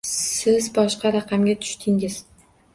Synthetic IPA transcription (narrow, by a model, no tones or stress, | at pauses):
ssɪzbɒʃqʰɑɾɑqʰɑmɡʲat̪ʰʊ̥ʃt̪ʰɪŋɪz̥